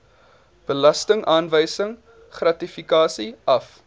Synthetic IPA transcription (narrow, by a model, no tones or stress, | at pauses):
b̥əlɐstəŋʔɑːnvəjsəŋ | χrɐtifikɑːsiʔɐf